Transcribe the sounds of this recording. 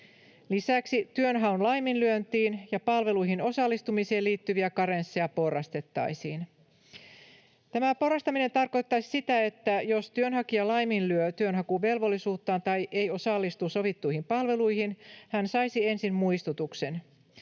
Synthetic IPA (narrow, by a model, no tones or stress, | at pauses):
lisæksit̪yønɦɑunlɑjminlyønt̪iːnjɑpɑlʋe̞lujɦino̞sɑlːist̪umiseːliːt̪ːyʋiækɑɾensːiɑpo̞rːˑɑst̪e̞t̪ːɑ̰jsiːn | t̪æmæpo̞rˑɑst̪ɑmine̞nt̪ɑrko̞jt̪ːɑsi̥sit̪æe̞t̪ːæjo̞st̪yønɦɑkiɑlɑjminlyøt̪yønɦɑkuʋe̞lʋo̞lːisuːt̪ːɑːnt̪ɑjʔe̞jo̞sɑlːist̪uso̞ʋit̪ːuihimpɑlʋe̞lujhinhænsɑjsie̞nsimmuist̪ut̪ukse̞n